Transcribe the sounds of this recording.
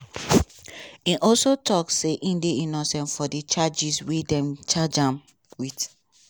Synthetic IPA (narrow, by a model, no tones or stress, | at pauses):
ĩʔɔlsotʰɔkseʔĩndeĩnɔsɛ̃nfɔdit͡ʃad͡ʒiswedɛ̃mt͡ʃad͡ʒãm | wit